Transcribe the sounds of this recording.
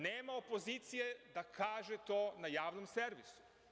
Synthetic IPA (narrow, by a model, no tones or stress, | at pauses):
neːmaopo̞zit̪sijed̪akʰaːʒet̪oːnajaːʋnomseɾʋisu̥